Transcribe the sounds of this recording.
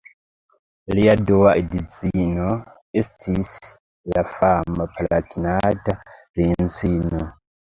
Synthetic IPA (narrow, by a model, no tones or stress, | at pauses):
lijadɔwaʔidit͡sinɔ | estʰis | lafamapʰalatʰinata | ɾint͡sinɔ